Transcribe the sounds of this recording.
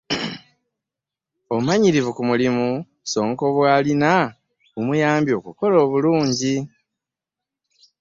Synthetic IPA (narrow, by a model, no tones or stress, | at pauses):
o̞umaɲiɾivukumulimu | so̞ːŋko̞βwaːlina | umujaːmbjo̞ːkuko̞lo̞ːβuluːɲɟi